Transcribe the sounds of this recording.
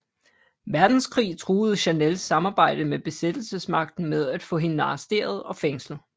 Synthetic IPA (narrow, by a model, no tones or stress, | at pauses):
ʋæɐd̥n̩skʰʁḭːt͡sʰʁuːð̩ˠəɕænelsɑ̈mɑ̈ːb̥ɑ̈ɪ̰d̥əmeb̥e̝sed̥l̩səsmɑ̈ɡ̥̚d̥n̩með̞ˠæd̥fɔ̰̽ːe̝nɑ̈ːsd̥e̝̰ɐð̞̩ˠɒ̽feŋsl̩ˠ